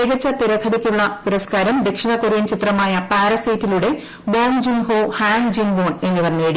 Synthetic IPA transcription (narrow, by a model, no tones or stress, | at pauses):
eɣɐt͡ɕːɐt̪iɾɐt̪ʰɐðikʲːuɭːɐppuɾɐskaːɾɐmd̪e̞kʂiɳɐkoɾiint͡ɕit̪rɐmaːjɐpaːɾɐsɐjtːiluɽe̞ | boːmd͡ʑimho̞ːhaːŋd͡ʑimboːne̞nːiʋɐnːeːɽi